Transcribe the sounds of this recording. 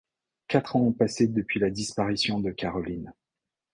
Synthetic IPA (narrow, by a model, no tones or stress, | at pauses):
kat̪χɑ̃pased̪əpɥilad̪ispaʁisjɔ̃d̪əkaʁɔlin